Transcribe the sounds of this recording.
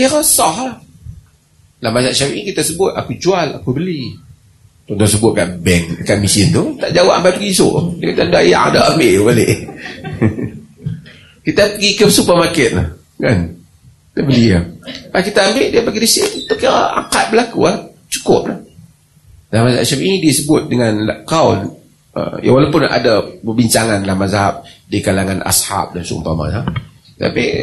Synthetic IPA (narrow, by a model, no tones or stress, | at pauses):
kiɾasɔɦah | lahmas̬aʔʃawikit̪asəbʊt̪̚a̰kud͡ʒuala̰kubəli | t̪ɔnt̪ɔs̬əbʊt̪̚kaʔbɛnkaʔmisɪnt̪ut̪aʔd͡ʒawaʔampajpəɡiso̰ʔdiakit̪anduaja̰ʔa̰dɔʔambeʔbaleʔ | kit̪apəɡikəpsubamakɪt̪̚la̰h | ka̰n | it̪abəliapakit̪aːmbɪʔdiapaɡidisit̪oka̰ŋkat̪̚bəlakua | t͡ʃu̥kʊp̚lah | lamazaa̰ʔ̚sapinidisəbʊt̪̚dəŋanlakaʊn | ʔə̰ja̰ŋwalapʊna̰dapəbiɲt͡ʃaŋanlamazaɦap̚dikalaŋanʔa̰sha̰p̚dansṵmpama̰zaap̚ | t̪a̰pḭ